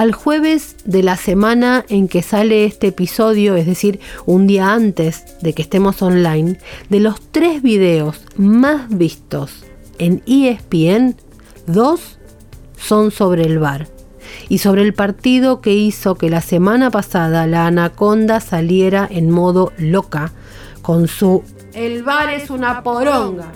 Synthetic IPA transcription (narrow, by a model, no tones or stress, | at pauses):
alxwe̞βe̞z | ðe̞lasemãnae̞ŋke̞saleest̪eːpiso̞ðjo̞ezðe̞siɾund̪iaant̪e̞z | ðe̞kest̪e̞mo̞sonlajnd̪e̞lo̞st̪ɾe̞zβiðe̞o̞s | mazβist̪o̞s | e̞niespien | ðo̞sː | o̞nso̞βɾeːlβaɾ | iso̞βɾe̞ːlpaɾt̪ið̞o̞ke̞iso̞ke̞lasemanapasað̞alaːnako̞nd̪asalje̞ɾaʔenmo̞ðo̞loka | ko̞nsu | elβaɾesunapoɾoŋɡa